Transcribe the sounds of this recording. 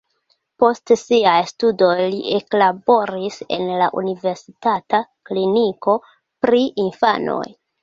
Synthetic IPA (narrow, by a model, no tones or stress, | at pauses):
po̞stsiajstudo̞jliʔe̞klabo̞ɾise̞̰nla̰ʔṵnive̞ɾsitatakliniko̞ | pɾiʔinfano̞̰j